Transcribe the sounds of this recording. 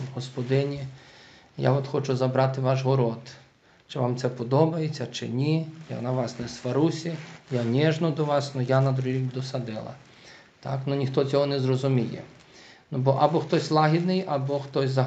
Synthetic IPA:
ɦɔspɔd̪ɪnʲi | ja̰ɔt̪xɔt͡ʃʊzɐbɾɑt̪ɪʋɑʒɦɔɾɔt̪ | t͡ʃɪʋamt̪sɛpɔd̪ɔbɐjet͡sʲːɐt͡ʃɪ̰nʲḭɔ̰naʋɑsnɛsʋɐɾusʲɐjanʲɛʒnɔd̪ɔʋɑsnʊjanɐd̪ɾʊɦʲikʲd̪ɔsɐd̪ɪlˠɐ̰ | t̪aknʊnʲixt̪ɔt͡sʲɔɦɔnɛzrɔzʊmʲijɛ̰ | nʊbɔʔɐbɔxt̪ɔsʲlˠɑɦʲid̪nɪjɐbɔxt̪ɔsʲzɐ

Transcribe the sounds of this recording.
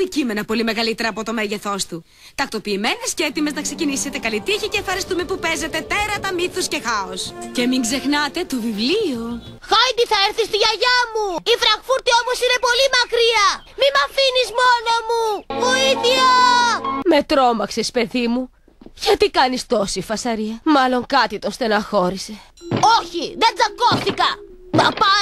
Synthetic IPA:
icime̞nɐpo̞lime̞ɣɐlit̪eɾɐːpo̞t̪o̞meʝeθo̞st̪u | t̪ɐk̚t̪o̞piːme̞ne̞scet̪ime̞znɐkse̞cinise̞t̪e̞kɐlit̪içiceːfxɐɾist̪umepupe̞ze̞t̪e̞t̪e̞ɾɐt̪ɐmiθusce̞xɐosce̞miŋɡze̞xnɐt̪e̞t̪uvivliuxɐjd̪iθɐeɾθist̪iʝɐʝɐmuifɾɐkfuɾt̪io̞mo̞sine̞po̞limɐkɾiɐ | mimɐfinizmo̞no̞muvoiθiɐ | me̞t̪ɾo̞mɐksespe̞ðimu | ʝɐt̪ikɐnist̪o̞sifɐsɐɾiɐmɐlo̞ŋkɐt̪it̪o̞nst̪e̞nɐxo̞ɾise̞ | oçiðe̞nd͡zɐko̞θikɐnɐpɐ

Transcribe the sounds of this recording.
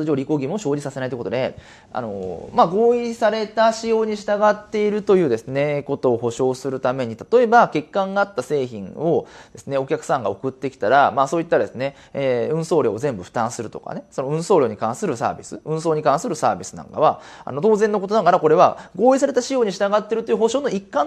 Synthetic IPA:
ɨʑo̞ːɾʲiko̞ɡʲĩmo̞ɕo̞ːd͡ʑisase̞nait̪eikot̪d̪e | a̰no̞̰maːɡo̞ːisaɾe̞t̪aɕijo̞ːɲ̟iɕi̥t̪aɡat̪ːe̞iɾɯ̟t̪o̞jɯ̟ːd̪esɨne̞ko̞t̪o̞ːho̞ɕo̞ːsɨɾɯ̟t̪ame̞ɲ̟it̪at̪o̞e̞bake̞kːãŋɡaːt̪ːase̞ːçĩɰo̞d̪e̞sɨne̞o̞kʲakɯ̟̥sãŋɡao̞kɯ̟t̪ːe̞kʲi̥t̪aɾamaːsoːit̪ːad̪e̞sɨne̞ | eɯ̟̃ɰ̃so̞ːɾʲoːzẽ̞mbɯ̟ɸɯ̟̥t̪ã̰ɰ̃sɨɾɯ̟t̪o̞̥ka̰ne̞sonoɯ̟̃ɰ̃so̞ːɾʲo̞ːɲ̟ikãɰ̃sɨɾɯ̟sa̰ːbʲisɨ̰ɯ̟̃ɰ̃soːɲikãɰ̃sɨɾɯ̟sa̰ːbʲisɨ̥nã̰ŋka̰βaa̰no̞t̪o̞ːzẽnːo̞ko̞t̪onakaɾako̞ɾe̞βa̰ɡo̞ːis̬aɾe̞t̪aɕijoːɲ̟iɕi̥t̪aɡat̪ːeɾɯ̟t̪ojɯ̟ɦoɕoːno̞ikːã

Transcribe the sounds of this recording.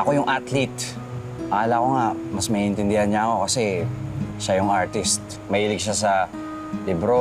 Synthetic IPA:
ʔɐko̞jʊŋʔat̪lit̪ | ʔɐaːlɐko̞ŋaʔmɐsmɐʔiʔɪnt̪ɪnd̪ɪhanɲɐɐko̞kɐsɛ | ʃajʊŋʔaɹt̪ɪst̪̚ | mɐhiːlɪɡʃasɐ | lɪbɾo

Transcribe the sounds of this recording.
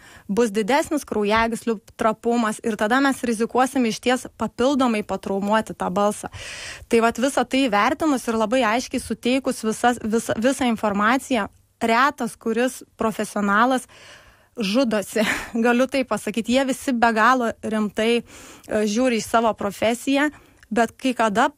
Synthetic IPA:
bʊsd̪ʲɪd̪ʲæːsʲnʲɪskɾɐʊjæːɡɐslʲʊpt̪ɾɐpʊmɐsɪɾt̪ɐd̪ɐmʲɛsɾʲɪzʲɪkuɔsʲɪmɪʃʲt̪ʲiɛspɐpʲɪlˠd̪oːmɐɪpɐt̪ɾɐʊmuɔt̪ʲɪt̪ɑːbɐlˠsɑ̰ːt̪ɐɪʋɐt̪ʋʲɪsɐt̪ɐɪiʋʲɛɾʲt̪ʲɪnʊsʲɪɾlˠɐbɐɪɐɪʃʲkʲɛɪsʊt̪ʲɛɪkʊsʋʲɪsɐsʋʲɪsɐʋʲɪsɐɪnfoːrmɑːt̪sʲɪjɛ | ɾʲæːt̪ɐskʊɾʲɪspɾoːfʲɛsʲɪoːnɑːlˠɐs | ʒʊd̪oːsʲɪɡɐlʲʊt̪ɐɪppɐsɐkʲiːt̪jiɛʋʲɪsʲɪbʲɛɡɑːlˠoːɾʲɪmt̪ɐɪ | ʒʲuːɾʲɪɪʃsɑːʋoːpɾoːfʲɛːsʲɪjæː | bʲɛt̪kɐɪkɐd̪ɐ

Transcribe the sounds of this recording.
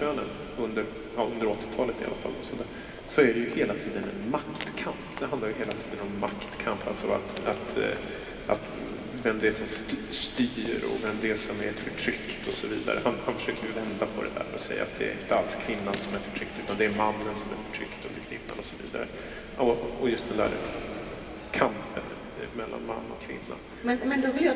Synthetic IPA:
ønən | ɵnd̪əɾ | ɑɵnd̪əɾɔt̪ːɪ̥t̪ʰɑːlət̪ɪa̰lʔa̰fa̰lːɔmsɔd̪æːɾ | sɔæɖɛjɵheːlat̪ʰiːd̪ənɛnmakt̪kʰampd̪ɛɦand̪ajʏɦeːlat̪ʰiːd̪ənɔmːakt̪kʰampʰa̰lsɔa̰t̪at̪ | ʔa̰t̪ | vɛmd̪ɛsɔmst̪yːɾɔ̰vɛmd̪ɛsɔmæɾɛt̪fœʈʰɾʏkt̪ʰɔsɔviːd̪a̰ɾə̰hanhanfœ̥ʂøːkəɾjɵvɛnd̪apʰɔd̪ɛ̰d̪æ̰ːɾɾɔsɛ̰jːa̰at̪̚d̪ɛ̰ːɾɪ̰nt̪əalskʰvɪnːansɔmæɾfœ̥ʈʰɾʏkt̪ʉ̟ːt̪and̪ɛːɾmanːənsɔmæɾfœ̥ʈʰɾʏkt̪ɵnd̪əkʰvɪnːa̰nɔsɔvḭːd̪a̰ɾə̰ | ʔɔɔjɵst̪d̪ɛnd̪æ̰ːɾ | kʰampʰən | mɛlːʔa̰nma̰nːɔkʰːvɪ̰nːa̰ | mmɛnd̪

